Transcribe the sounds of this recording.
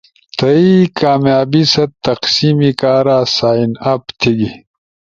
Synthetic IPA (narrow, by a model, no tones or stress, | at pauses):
t̪ɐikaːmjaːbisɐtt̪ːɐqsiːmikaːɾaːsaːinɐpt̪ʰiɡi